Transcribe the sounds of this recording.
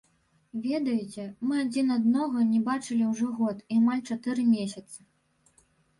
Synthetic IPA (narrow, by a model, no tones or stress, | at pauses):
vʲɛd̪ɐjit͡sʲɛmɨad͡zʲinad̪nɔɣɐnʲɛbat͡ʂɨlʲiwʐɔɣɔt̪iamalʲt͡ʂat̪ɨɾɨmʲesʲɐt̪sɐ̥